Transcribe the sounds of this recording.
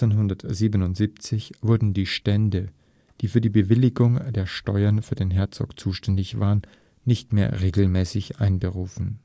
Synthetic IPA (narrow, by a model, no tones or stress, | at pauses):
t͡senɦʊndɐtz̥iːbənʊntz̥iːpt͡sɪçv̥ʊɐdn̩diːʃtɛndə | d̥iːfyːɐdiːbəvɪlɪɡʊŋdeːɐʃtɔʏɐnfyːɐdeːnɦɛɐt͡sɔ̰kt͡suːʃtɛndɪçv̥a̰ːʁənː | ɪçtmeːɐʁeːɡl̩mɛːsɪçʔaɪnbəʁuːfn̩